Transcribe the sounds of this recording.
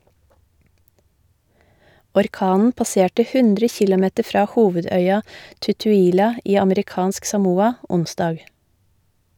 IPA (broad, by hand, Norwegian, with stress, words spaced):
ɔɾˈkɑːnn̩ pɑˈseːʈə ˈhʉndɾə ˈçɪlɔˌmɛtə ˈfɾɑː ˈhuːʋəˌdœʏɑ tʉtʉːˈiːlɑ ˈiː ɑməɾɪˈkɑːnsk sɑˈmuːɑ ˈʊnˌsdɑːɡ